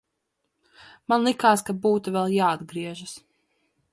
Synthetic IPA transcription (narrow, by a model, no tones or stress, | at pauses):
manlˠikaːskabuːt̪uvɛlˠjaːad̪ɡɾiɛʒas